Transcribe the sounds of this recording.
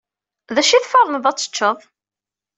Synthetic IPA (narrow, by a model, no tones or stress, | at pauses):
ðæʃiθfɑɾˤənəðˤɑt͡sːə̥t͡ʃːəðˤ